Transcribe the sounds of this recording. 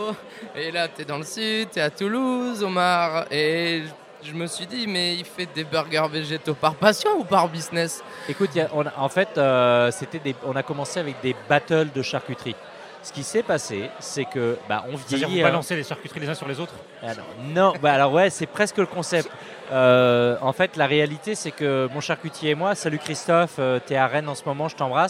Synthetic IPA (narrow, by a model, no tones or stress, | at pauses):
elat̪yɛd̪ɑ̃ləsyd̪t̪ɛat̪uluzomaʁe | ʒəməsɥid̪imɛifɛd̪ebyʁɡœʁveʒet̪opaʁpasjɔ̃upaʁbiznɛs | ekut̪jaʔɔ̃na̰ʔɑ̃fɛt̪øset̪ɛd̪eɔ̃nakɔmɑ̃seavɛk̚d̪ebat̪œld̪əʃaʁkʲyt̪χi | sə̥kʲisɛpasesɛkəba̰ʔɔ̃vjɛad̪iʁivpalɑ̃sed̪eʃaʁkʲyt̪χilezɛ̃syʁlezot̪χ | anɔ̰̃nɔ̃baːlɔʁwɛsɛpχɛskələkɔ̃sɛp̚t̪ | øɑ̃fɛt̪laʁealit̪esɛkəmɔ̃ʃaʁkʲyt̪jeːmwasalykχist̪ɔføt̪yɛaʁɛnɑ̃səmɔmɑ̃ʒət̪ɑ̃bʁas